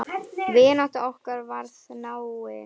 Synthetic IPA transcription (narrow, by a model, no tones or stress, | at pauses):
vɪːnaht̪aɔhkaɾvaɾθnawɪ